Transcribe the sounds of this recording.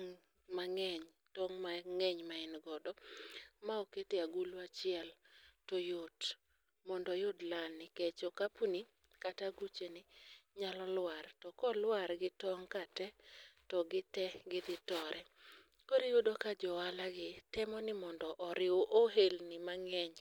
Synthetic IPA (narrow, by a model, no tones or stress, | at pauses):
ŋ | maŋɛɲ | tɔŋmaŋɛɲmaɛnɡɔdɔmaoketeaɡulwat͡ʃɪɛltojot | mɔndɔjodlaɪket͡ʃokapuni | kataɡut͡ʃenɪɲalɔlwartɔkɔlwaɾɡɪtɔŋkatɛtɔɡɪtɛɡɪd̪ɪtɔɾʔɛ | koɾijodokad͡ʒɔwalaɡɪtɛmɔnɪmɔndɔʔɔɾɪoʔoɦelnɪmaŋɛɲ